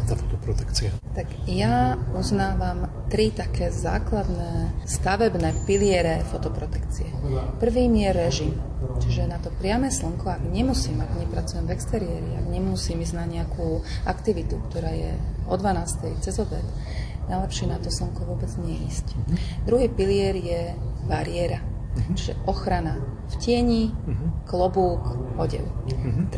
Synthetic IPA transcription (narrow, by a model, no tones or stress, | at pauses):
t̪afɔ̥t̪ɔpɾɔt̪ɛkt͡siat̪aɡjauznaːʋam | t̪ɾit̪akɛːza̰ːklad̪nɛːst̪aʋɛbnɛpilɪɛɾɛfɔt̪ɔpɾɔt̪ɛ̥kt͡siɛpr̩ʋiːmjɛɾɛʒimt͡ʃiʒɛnat̪ɔpɾɪamɛːsl̩ŋkɔaɡɲɛmusiːmaɡɲɛpɾat͡sujɛmvɛkst̪ɛɾiɛːɾia̰ɡɲɛmusiːmizɟnaɲɛakʰuakt̪iʋit̪ukt̪ɔɾaːjɛ̰ʔɔd̪ʋanaːst̪ɛjt͡sɛzɔbɛt̪ | najlɛpʃɪɛnat̪ɔsləŋkɔʋʊɔbɛd͡zɲɛɛiːscd̪ɾuɦiːpilɪɛɾjɛbaɾɪɛɾa | t͡ʃiʒɛ̰ʔɔxɾana | fcɪɛɲiklɔbuːkɔɟɛ̰l